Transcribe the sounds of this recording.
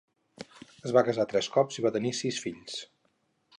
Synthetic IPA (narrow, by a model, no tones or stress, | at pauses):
əzβakəzat̪ɾɛskɔpziβat̪ənisisfiʎs